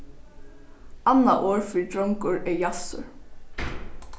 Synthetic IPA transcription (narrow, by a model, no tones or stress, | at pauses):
anːaʔoːɹfɪt̪ɹɔŋkʊɹɛjasʊ̰ɹ